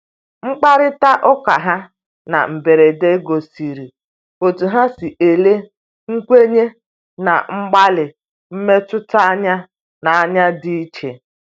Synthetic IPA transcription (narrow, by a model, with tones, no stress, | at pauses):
ŋ͡m̩˦k͡pa˦ɾɪ˦ta˦ʔɔ˦ka˨ɦa˦ | na̰˨m̩˨be˨ɾe˨de˦ɡo˨si˨ɾi˨ | o˨tu˨ɦa˦sɪ˨ʔe˨le˦ | ŋ̩˦kʷe˦ɲe˦ | na̰˨ŋ͡m̩˦ɡ͡ba˦lɪ˨ | m̩˦me˦tʊ˦ta˦a˦ɲa˦ | na˨a˦ɲa˦dɪ˦i˦t͡ʃe˨